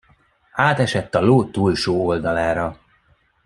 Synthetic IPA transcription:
aːt̪ɛʃɛt̪ːɒloːt̪ːuːlʃoːold̪ɒlaːɾɒ

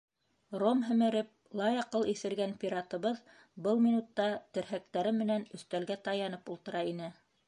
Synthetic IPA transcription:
romɦɘ̆mɘ̆ɾɘp̚lˠɑjɑqɤlˠiθɘ̆ɾɡænpʲiɾɑt̪ɤ̆βɤð | bɤlˠmʲinut̪ːɑt̪ɘ̆ɾɦæk̚t̪æɾɘmːɘ̆nænɵ̆θt̪ælɡæt̪ɑjɑnɤpulˠt̪ɤ̆ɾɑinɘ

